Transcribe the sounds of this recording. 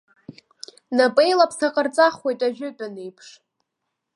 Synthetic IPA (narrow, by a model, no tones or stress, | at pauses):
napʼe̞jlapʰsʰaqʼərt͡sʼaχwejtʼaʒᶣʊpʼanejpʰʂ